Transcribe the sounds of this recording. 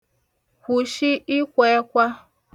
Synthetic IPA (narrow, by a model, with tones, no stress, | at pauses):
kʷu˨ʃi˦i˦kʷe˨˦kʷa˦